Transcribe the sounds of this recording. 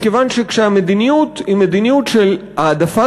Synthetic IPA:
kevanʃekʃeamed̪inijut̪himed̪inijut̪ʃel | aːd̪afa

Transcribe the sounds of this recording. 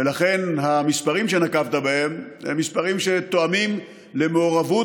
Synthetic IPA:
elaχe̞nhamispaʁimʃe̞nakavt̪abahememːispaʁimʃe̞t̪oamim | le̞meoʁavu

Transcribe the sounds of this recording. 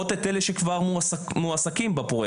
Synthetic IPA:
ot̪et̪eleʃekvaʁmumuasakimbapʁoj

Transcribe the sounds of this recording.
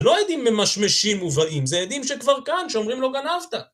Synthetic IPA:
lo̞jed̪imːemaʃmeʃimuvaʔimzejad̪imʃekvaʁkanʃeomʁimlo̞ɡanavt̪a

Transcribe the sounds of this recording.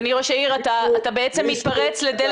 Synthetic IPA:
niʁoʃaiʁat̪aːt̪abeet͡semːit̪paʁet͡sled̪el

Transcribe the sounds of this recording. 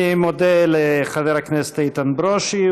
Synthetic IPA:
imod̪eleχaðeɾaknese̥t̪ait̪anbɾoʃi

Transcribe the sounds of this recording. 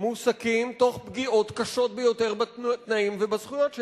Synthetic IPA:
musakimto̞χbɡio̞t̪kaʃo̞t̪̚bejo̞te̞ʁbat̪naimvebazχujotʃ

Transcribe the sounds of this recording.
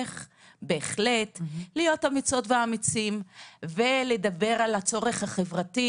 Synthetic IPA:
χ | be̞ːχletlijo̞tamit͡so̞tveaːmit͡simvele̞d̪abe̞ʁalat͡so̞ʁe̞χhaχe̞vʁati

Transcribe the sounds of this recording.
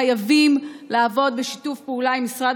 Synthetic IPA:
ajavimlaːvo̞d̪beʃitufpeulaimːisʁad

